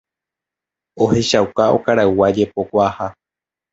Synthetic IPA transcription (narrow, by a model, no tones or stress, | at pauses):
o̞he̞ʃawkaokaɾawad͡ʒe̞po̞kʷaha